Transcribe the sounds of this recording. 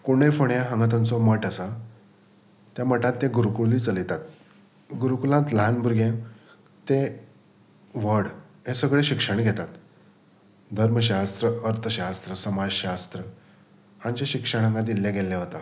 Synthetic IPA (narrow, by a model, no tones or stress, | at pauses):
kuɽ̃ejfoɳjaɦə̃ŋɡat̪ant͡sɔməʈasa | t̪jaməʈãt̪ːẽɡuɾukuɭlit͡səlit̪at̪̚ | ɡuɾukulãt̪ləanbʱuɾɡʱẽ | t̪ẽ | ʋəɽ | ɦẽsəɡɭeɕikʂəɳ̃ɡʱɛt̪at̪ | d̪ʱəɾməɕ̬ast̪ɾəəɾt̪ʰəɕast̪ɾəsəmad͡ʑɕast̪ɾə | hãɲt͡ɕeɕikʂəɽ̃ə̃ŋɡad̪ilːẽɡelːɛɦot̪a